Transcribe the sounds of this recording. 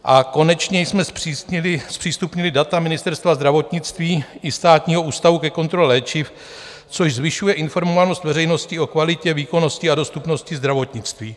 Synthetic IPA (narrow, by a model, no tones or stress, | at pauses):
ʔako̞nɛt͡ʃɲɛjsmɛsilɪspr̝̥iːst̪upɲɪlɪdat̪amɪnɪst̪ɛɾst̪vazd̪ɾavo̞t̪ɲɪt͡st̪viːʔɪst̪aːt̪ɲiːɦo̞ʔuːst̪avukɛko̞nt̪ɾo̞lɛlɛːt͡ʃɪf | t͡so̞ʃzvɪʃujɛʔɪnfo̞ɾmovano̞st̪vɛɾɛjno̞scɪo̞kvalɪcɛviːko̞no̞scɪado̞st̪upno̞scɪzd̪ɾavo̞t̪ɲɪt͡st̪viː